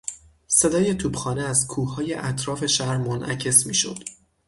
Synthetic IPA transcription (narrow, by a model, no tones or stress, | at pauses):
se̞d̪ɒːje̞t̪ʰuːbxɒːneæzkʰuːhɒːje̞ʔæt̪ʰɾɒːfe̞ʃæɾmonʔæ̰cʰe̞smiːʃo̰d̪̥